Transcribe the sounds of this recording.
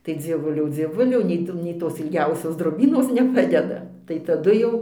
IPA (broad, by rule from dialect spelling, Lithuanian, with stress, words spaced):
tɐɪ d͡zʲiɛˈʋʊlʲɛʊ d͡zʲiɛˈʋʊlʲɛʊ nʲɛɪ ˈtuː nʲɛɪ ˈtoːs ɪlʲˈɡʲɛʊsʲoːs droːˈbʲiːnoːs nʲɛˈpɑːdʲɛdɐ tɐɪ tɐˈdʊ jɛʊ